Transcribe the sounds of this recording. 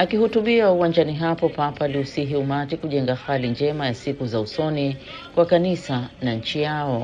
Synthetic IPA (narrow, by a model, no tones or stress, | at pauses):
akihutuɓiauwãnd͡ʒaniɦapɔpapaːliusiɦiumatikuʄɛŋɡaxaliɲd͡ʒɛmajasikuzausɔni | kwakanisanaɲ̩t͡ʃijaɔ